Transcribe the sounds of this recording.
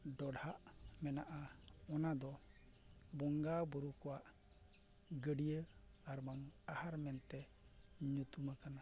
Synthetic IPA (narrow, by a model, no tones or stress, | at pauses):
ɖɔɽhaʔmɛnaʔaɔnad̪ɔ | bɔŋɡabɔɾukɔwaʔ | ɡəɖijə | aɾmamahaɾmɛnt̪ɛ | ɲut̪umakana